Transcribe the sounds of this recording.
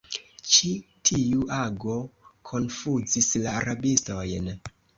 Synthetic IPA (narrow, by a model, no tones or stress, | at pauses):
t͡ʃitʰiuʔaɡo̞kʰo̞nfuzislaːɾabisto̞jn